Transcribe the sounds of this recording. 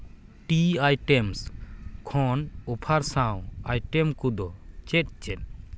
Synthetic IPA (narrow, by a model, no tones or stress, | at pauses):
ʈiajʈɛmskʰɔnɔpʰaɾsãw̃ajʈɛmkud̪ɔt͡ʃɛt̚t͡ʃɛt̚